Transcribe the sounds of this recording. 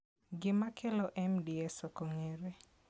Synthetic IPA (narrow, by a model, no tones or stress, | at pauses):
ɡɪmakʰelɔʔɛmdiɛsɔkoŋeɾe